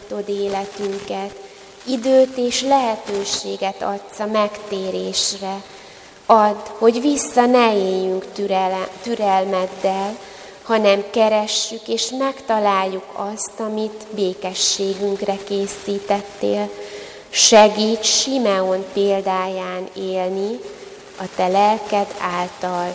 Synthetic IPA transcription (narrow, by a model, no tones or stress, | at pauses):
t̪o̞d̪eːlɛt̪yŋkɛt̪ | id̪øːt̪eːʃlɛɦɛt̪øːʃeːɡɛt̪ɒt̪sɒmɛkt̪eːɾeːʃrɛ | ɒd̪ːho̞ɟvisːɒnɛeːjyŋk | t̪yɾɛlmɛd̪ːɛl | hɒnɛmkɛɾɛʃːykeːʃmɛkt̪ɒlaːlːukɒst̪ɒmit̪beːkɛʃːeːɡyŋkrɛkeːsiːt̪ɛt̪ːeːl | ʃɛɡiːtʃimɛonpeːld̪aːjaːneːlni | ɒt̪ɛlɛlkɛd̪aːlt̪ɒl